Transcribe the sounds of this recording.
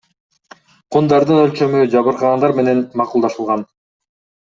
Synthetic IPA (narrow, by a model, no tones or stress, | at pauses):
qʰund̪ɑɾd̪ɯnø̞lʲt͡ʃø̞myd͡ʒɑβɯɾqɑʁɑnd̪ɑɾme̞ne̞nmɑqulˠd̪ɑʃɯlˠʁɑn